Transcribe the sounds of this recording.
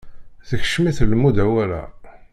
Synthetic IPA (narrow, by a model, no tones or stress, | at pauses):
θəçʃmiθlmud̪æwælæ̰